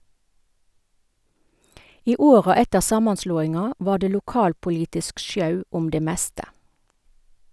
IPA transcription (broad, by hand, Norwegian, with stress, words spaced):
ˈiː ˈoːʁɑ ˈɛtəʁ ˈsɑːmɑnˌsloːɪŋɑ ˈʋɑː ˈdeː lʊˈkɑːlpʊˌliːtɪsk ˈʃjɑʉ ˈʊm ˈdeː ˈmɛstə